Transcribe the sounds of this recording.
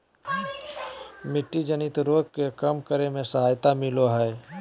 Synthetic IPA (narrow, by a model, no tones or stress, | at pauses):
mɪʈːid͡ʒənɪt̪ɾoːɡkekəmkəɾemẽsəɦaːjt̪amɪloɦɛː